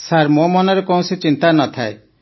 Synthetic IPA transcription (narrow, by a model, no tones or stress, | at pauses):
saɾmomɔnɔɾekɔũsit͡ʃint̪anɔt̪ʰae